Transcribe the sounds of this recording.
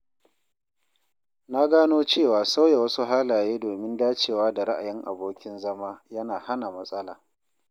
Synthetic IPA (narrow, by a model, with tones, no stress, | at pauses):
na˦ɡaː˦noː˦t͡ʃeː˦˨waː˨sa˦wje˨wɐ˦su˦ɦaː˦laː˨jeː˦doː˨mɪ˦ndaː˦t͡ʃeː˨waː˦da˨ɾa˦ʔa̰˨jɪ˦ŋʔa̰˨boː˦kʲɪ˦nzɐ˦maː˦jɐ˦naː˨ha˦na˨mɐ˦sʼɐ˦la̰ː˨